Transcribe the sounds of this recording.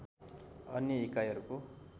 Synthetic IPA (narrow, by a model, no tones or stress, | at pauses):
ʌnjʌikajʌɾuko